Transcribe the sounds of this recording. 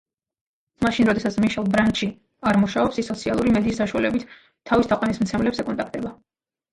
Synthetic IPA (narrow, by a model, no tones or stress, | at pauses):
maʃinɾɔd̪ɛsat̪sʰmiʃɛlˠbɾant̪ʃi | aɾmuʃaɔpsisːɔt̪sʰialˠuɾimɛd̪iːsːaʃualɛbit̪ʰː | avist̪ʰaqʼwanismt̪sʰɛmlɛpsɛkʼɔnt̪ak̚ʰt̪ʼɛba